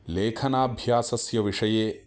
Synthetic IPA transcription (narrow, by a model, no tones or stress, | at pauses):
leːkʰɐnaːbʱjaːsɐsjɐʋiʂɐjeː